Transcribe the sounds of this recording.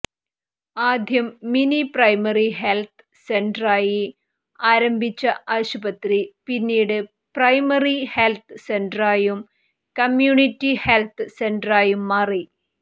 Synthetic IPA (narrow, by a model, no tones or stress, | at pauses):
aːd̪ʱjɐmːiniprɐjmɐriɦelt̪ʰɨsenɖraːji | aːɾɐmbʱit͡ɕːɐʔɐɕubɐt̪ripinːiːɽɨ | prɐjmɐrihelt̪ʰɨsenɖraːjum | kɐmjuːɳitːihelt̪ʰɨsendraːjumːɐri